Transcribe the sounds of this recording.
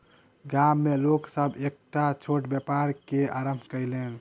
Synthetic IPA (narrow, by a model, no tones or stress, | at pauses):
ɡamːeloksəbʱek̚ʈat͡ʃʰoʈbjəpaɾkeaɾəmbʱkəɪlen